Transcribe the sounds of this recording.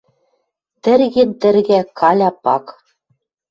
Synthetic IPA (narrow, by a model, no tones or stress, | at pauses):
t̪ɘ̆ɾɣent̪ɘ̆ɾɣækʰɑlʲɑpɑk